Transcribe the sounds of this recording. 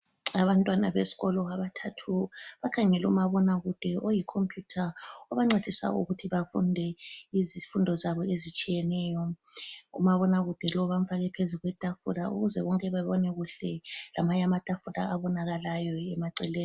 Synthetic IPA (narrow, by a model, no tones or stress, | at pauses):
aβantʼwana̰βesi̥ɣɔlɔɣaβatʰatʰuβakʰaŋɛlumaβɔnaɣud̥ʱɛʔojikʰompʰʼjutʰaɔβaŋ͡ǀed̥ʱisa̰ṵɣutʰiβafundʱɛizifundʱɔzaβɔezit͡ʃʼijɛnɛːjɔ | ṵmaβɔnaɣud̥ʱɛlɔβam̩faɣɛpʰezuɣwɛtʼafṵɾaṵɣuzɛ̰βɔŋkʼɛβaβɔnɛɣuɬɛlamaɲamad̥ʱʼafuɾa̰aβɔnaɣalajɔɛmaǀɛleːni